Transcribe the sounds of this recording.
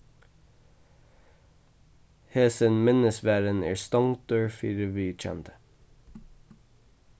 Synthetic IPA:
heːsənmɪnəsʋæːɾənæ̰ːɹst̪ɔŋd̪̥øːɹfiːɾəʋiːt͡ʃɛ̰nt̪ʰə̥

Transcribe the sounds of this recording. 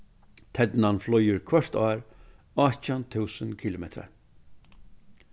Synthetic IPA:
t̪ʰɛt̪nanflɔjʏɹkʰvœɹ̥t̪aːɾ | ɔt͡ɕant̪ʰuːsənkʰiːlʊmɛt̪ʰɾa̰ɹ

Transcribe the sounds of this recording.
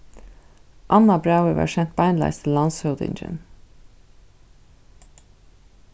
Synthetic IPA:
ʔɑnɑbɹaʊəʋɑ̰ːɹʃɛnt̪̚b̥ɑɪnd̪lɑ̰ɪst̪ʰɪlːɑnshœʊd̪ɪ̰nd͡ʒə̰n

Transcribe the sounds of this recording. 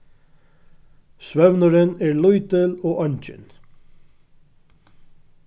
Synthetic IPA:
sʋœʋnəɾəneːɹlʊʏt̪əloːʔɑɲt͡ʃə̰n

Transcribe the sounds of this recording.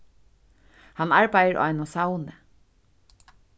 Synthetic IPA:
hɑnɑɹbæɪəɹʔa̰ɪnɔːsɑʊnə

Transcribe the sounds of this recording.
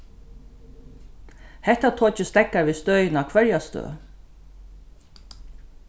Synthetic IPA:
hɛht̪at̪ʰoːt͡ʃəst̪ɛkːaɾʋiːst̪œʏjnakʰʋɛɹjast̪ø̰ː

